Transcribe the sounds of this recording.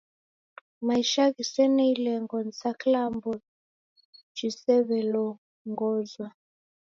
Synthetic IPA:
maiʃaɣisɛnɛilɛŋɡɔnsaklambɔ | t͡ʃisɛβɛlɔ | ŋɡɔzwa

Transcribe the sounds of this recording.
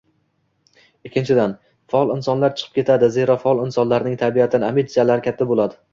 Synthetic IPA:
ɪkʲʰːɪnt͡ʃʰɪd̪an | faɒlˠɪnsɒnlaɾt͡ʃʰɨ̥qʰɨ̥p̚kʲe̞t̪ʰad̪ɪze̞ɾɒfaɒlˠɪnsɒnlaɾnɪŋt̪ʰabijat̪ʰɪnɪamid̪t͡ʃalaɾɪkʲʰat̪ʰːabolˠad̪ɪ

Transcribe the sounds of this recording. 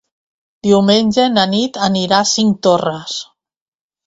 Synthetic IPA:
d̪̥iuwmenʲd͡ʒenanit̪aniɾasiŋk̚t̪oras

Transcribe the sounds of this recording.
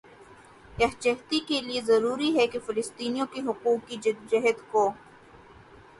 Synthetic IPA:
jɐɦt͡ʃɐɦt̪ikeliezɐɾuːɾiɦɛkefɪlɪst̪iːnijõkeɦʊquːkːid͡ʒd͡ʒɐɦəd̪koː

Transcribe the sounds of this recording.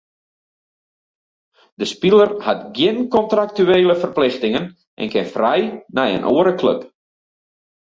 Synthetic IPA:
d̥əspilˠərhatɡjɪnkɔntrak̚tyeːləfərplɪxtɪŋən | ʔɛ̰nkɪnfrɛjnɛjə̰nʔoːəɾəkʰlø̰p

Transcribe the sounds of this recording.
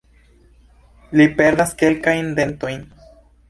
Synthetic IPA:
lipe̞ɾdaske̞lkajnde̞nto̞jn

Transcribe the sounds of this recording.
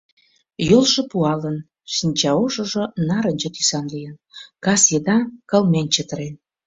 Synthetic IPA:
jolʒɤ̆puɑlən | ʃinʲt͡ɕɑoʒə̆ʒŏnɑɾənʲt͡ɕə̆t̪ysɑnlijənkɑsjed̪ɑkɑlmenʲt͡ɕət̪əɾen

